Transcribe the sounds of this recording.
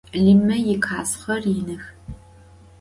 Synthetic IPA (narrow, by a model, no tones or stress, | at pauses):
ɮimɐjɪkʰaːsχɐrjɪnɨx